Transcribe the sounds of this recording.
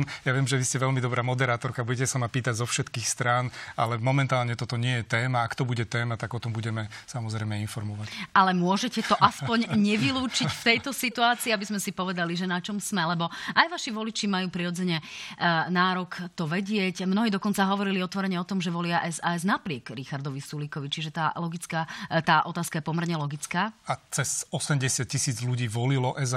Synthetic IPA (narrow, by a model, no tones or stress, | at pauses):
jaʋɪɛmʒɛʋiscɛʋɛlmid̪ɔbɾaːmɔd̪ɛɾaːt̪ɔɾkabuɟɛcɛsamapiːt̪aɟzɔfʃɛt̪kiːxst̪ɾaːna̰lɛmɔmɛnt̪aːlɲɛt̪ɔt̪ɔɲɪɛjɛt̪ɛːmaːkt̪ɔbuɟɛt̪ɛːmat̪aɡɔt̪ɔmbuɟɛmɛsamɔzɾɛɪmɛinfɔɾmɔʋacalɛmʊɔʒɛcɛt̪ɔʔaspɔɲɲɛʋiluːt͡ʃicft̪ɛjt̪ɔsit̪uaːt͡siːabizmɛsipɔʋɛd̪aliʒɛnat͡ʃɔmsmɛlɛbɔʔajʋaʃiʋɔlit͡ʃimajuːpɾiɾɔd͡zɛɲɛ | naːɾɔkt̪ɔʋɛɟɪɛcmnɔɦiːd̪ɔkɔnt͡saɦɔʋɔɾiliɔt̪ʋɔɾɛɲɛɔt̪ɔmʒɛʋɔlɪaʔɛzaːɛznapɾɪɛɡɾixaɾd̪ɔʋisulikɔʋit͡ʃiʒɛt̪aːlɔɡit͡skat̪aːʔɔt̪aːskajɛpɔmɛɾɲɛlɔɡit͡skaːat͡sɛzɔsɛmɟɛsɪat̪̚cisiːd͡zluɟiːʋɔlilɔʔɛz